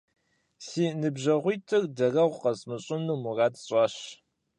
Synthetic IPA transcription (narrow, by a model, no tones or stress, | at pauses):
siːnɨbʑɐʁʷitʰɨrdɐrɐʁʷqɐsmɨɕʼʊnumʊraːtɕʼɑːɕ